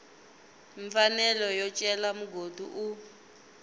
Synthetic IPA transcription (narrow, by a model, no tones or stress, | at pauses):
ɱfanɛlɔjɔt͡ʃʼɛlamuɡʱodʱṵʔu